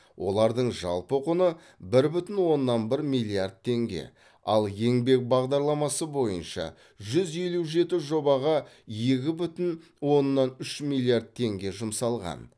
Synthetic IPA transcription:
wʔo̞̰lˠɑɾd̪əɴʒɑ̰lˠpoqʊnə | bɪɾbʏt̪ɪnwo̞nːɑnbɪɾmijlˠiard̪̚t̪ʰːe̞ŋɡʲe̞̰ | ɑ̰lˠje̞ŋbe̞k̚bɑʁd̪ɑɾlˠɑmɑsəbo̞jənʃɑ̰ | ʒʏze̞luʒe̞t̪ɪʒo̞bɑʁɑ | je̞kʲɪbʏt̪ɪn | wo̞nːɑnʏʃmilʲˠiard̪̚t̪ʰe̞ŋɡʲe̞ʒʊmsɑlˠʁɑ̰n

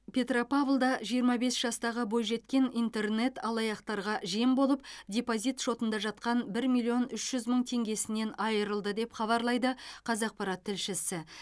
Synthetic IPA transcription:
pʰʲe̞t̪ropavlˠd̪ɑʒijəɾmɑbe̞sʒ̥ɑst̪ɑʁəbo̞jʒe̞t̪kʲe̞nint̪e̞rne̞t̪ɑlˠɑjɑqt̪ɑɾʁɑʒijembo̞lˠəp̚dʲepozijt̪ʃo̞t̪ənd̪ɑʒɑt̪qɑnbɪɾmʲilʲˠio̞nʏʃʒ̥ʏzməɴt̪ʰe̞ŋɡʲe̞sɪne̞nɑjəɾəlˠd̪əd̪e̞pχɑβɑɾlˠɑjd̪əqʰɑzɑq̚pɑɾɑt̪ʰːɪlʃɪsɪ

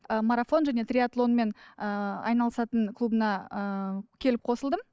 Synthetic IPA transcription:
əmaɾafo̞nʒæne̞t̪rʲiat̪lˠo̞nme̞nəɑ̰jnɑlˠəsɑt̪əɴkʰlˠubənɑəkʲʰe̞lɪp̚qʰo̞səlˠd̪əm

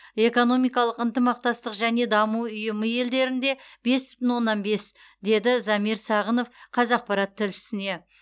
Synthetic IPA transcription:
e̞ko̞no̞mijkɑlˠəqənt̪əmɑq̚t̪ɑst̪əqʒæne̞d̪ɑmuʊjəməje̞ld̪e̞ɾɪnd̪e̞b̥e̞sbʏ̥t̪ɪnwo̞nːɑnbe̞s | d̪e̞d̪ɪzɑmiɾsɑʁəno̞fqʰɑzɑq̚pɑɾɑt̪ʰːɪlʃɪ̥sɪne̞

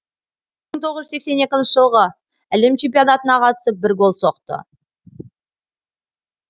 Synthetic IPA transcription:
məɴt̪ʰo̞ʁəzʒʏsekse̞ne̞kʲɪnʃəʒəlˠʁə | æle̞mt͡ʃʰempiad̪at̪ənɑqʰɑt̪ə̥səp̚bɪɾɡo̞lˠso̞qt̪ə̰

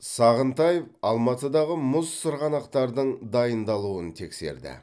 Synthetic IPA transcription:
sɑʁənt̪ɑjevɑlˠmɑt̪əd̪ɑʁəmʊzːəɾʁɑnɑqt̪ɑɾd̪əɴd̪ɑjənd̪ɑlˠuənt̪ʰe̞kse̞̰ɾd̪ɪ̰

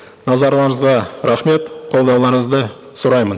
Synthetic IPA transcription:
nɑzɑɾlˠɑɴəzʁɑɾæχme̞t̪qʰolˠd̪ɑwlˠɑɾəɴəzd̪ə | sʊɾɑjmən

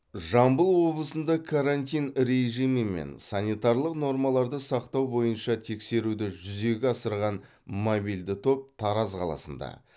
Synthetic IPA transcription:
ʒɑmbəlˠwo̞blˠəsənd̪ɑkʰaɾanʲt̪̬ʲijnɾe̞ʒijməmḛnsɑnʲijt̪ɑɾlˠəqno̞ɾmɑlˠɑɾd̪əsɑqt̪ɑwbo̞jənʃɑt̪ʰe̞kse̞ɾud̪ɪʒʏze̞ɡʲɪɑsəɾʁɑn | mobijld̪ɪt̪ʰo̞p̚t̪ʰɑɾɑzqʰɑ̰lˠɑ̰sənd̪ɑ̰

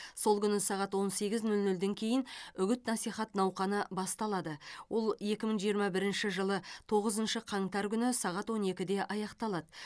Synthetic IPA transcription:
so̞lˠkʲʏnɪsɑʁɑt̪wo̞nse̞ɡʲɪznɵlnɵld̪e̞ŋkʲʰe̞jɪnʏɡʲʏt̪nɑsijχɑt̪nɑwqɑnəbɑst̪ɑlˠɑd̪əwʔo̞lˠje̞kʲɪməɴʒijəɾmɑbɪɾɪnʃɪʒəlˠət̪ʰo̞ʁəzənʃəqʰɑɴt̪ɑɾkʲʏnɪsɑʁɑt̪wo̞ne̞kʲɪd̪e̞ʔɑjɑqt̪ɑlˠɑd̪ə

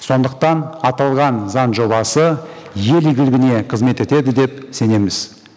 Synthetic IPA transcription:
so̞nd̪əq̚t̪ɑnɑt̪ɑlˠʁɑnzɑnʒo̞βɑsə | je̞lɪɡʲɪlɡʲɪne̞qʰəzme̞t̪e̞t̪e̞d̪ɪd̪e̞p̚se̞ne̞mɪz̥

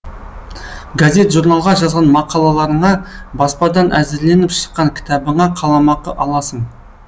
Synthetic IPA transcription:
ɡazʲe̞t̪ʒuɾnɑlˠʁɑʒɑzʁɑnmɑqɑlˠɑlˠɑɾəɴɑbɑspɑd̪ɑnʔæzɪɾle̞nɪpʃə̥qːɑŋkʲʰɪ̥t̪ɑbəɴɑqʰɑlˠɑmɑqəʔɑlˠɑsəɴ

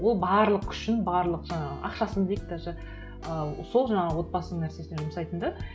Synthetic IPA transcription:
wolˠbɑɾlˠəqkʲʰʏ̥ʃɪnbɑɾlˠəqʒɑɴɑə̰ʔɑ̰qʃɑsənd̪ejik̚t̪ɑʒɑ | əso̞lˠʒɑɴɑʁəwo̞t̪̚bɑsənəɴnæɾse̞sneʒʊməsɑjt̪ənd̪ɑ

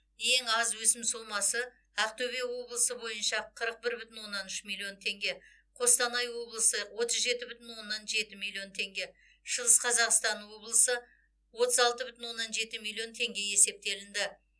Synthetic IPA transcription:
je̞ŋɑzwɵsɪmsolˠmɑsə | æqt̪ʰɵβe̞wo̞blˠəsəbo̞jənʃɑqʰəɾəq̚bɪɾbʏt̪ɪnwo̞nːɑnʏʃmilʲːˠio̞nt̪ʰe̞ŋɡʲe̞ | qʰo̞st̪ɑnɑjwo̞blˠəsəwo̞t̪əzʒe̞t̪ɪbʏt̪ɪnwo̞nːɑnʒe̞t̪ɪmilʲːˠio̞nt̪ʰe̞ŋɡʲe̞ | ʃəlˠəsqʰɑzɑqst̪ɑnwo̞blˠəsə | wo̞t̪əzɑlˠt̪əbʏt̪ɪnwo̞nːɑnʒe̞t̪ɪmilʲːˠijo̞nt̪ʰe̞ŋɡʲe̞je̞se̞p̚t̪e̞lɪnd̪ɪ

